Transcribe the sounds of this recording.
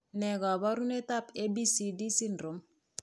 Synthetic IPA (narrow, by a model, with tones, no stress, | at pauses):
nɛ˨ɡa˨ba˦ɾu˦ne˦ta˦pe˦bi˦si˨di˦si˦ndɾo˨m